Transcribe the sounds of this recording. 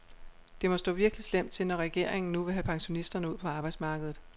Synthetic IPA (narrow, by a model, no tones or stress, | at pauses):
d̥e̝mɒ̽sd̥ɔ̰̽ːʋiɐɡ̥əlislem̰d̥̚t͡sʰe̝lnɒ̽ʁɛɡ̥e̝ɐ̰eŋn̩nuʋe̝ɦæpʰɑ̈ŋɕo̝nisd̥ɐnəuð̰ˠpʰɒɑ̈ːb̥ɑ̈ɪd̥smɑ̈ːɡ̥əð̩ˠ